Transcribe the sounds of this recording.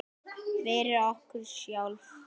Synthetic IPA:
vɛːɾɪɔhkʏɾ̥sjaːwlf

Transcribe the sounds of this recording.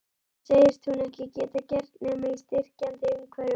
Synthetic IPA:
seːjðɪɾ̥t̪θhunɛhcɪcɛːt̪acɛɾt̪nɛːmaist̪ɪr̥cant̪ɪʏmkʰvɛɾɪ

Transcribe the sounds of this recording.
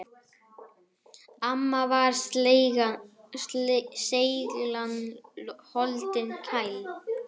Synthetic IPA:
amːavaɾ̥ | sejɣlan | hɔlt̪ɪnkʰajl

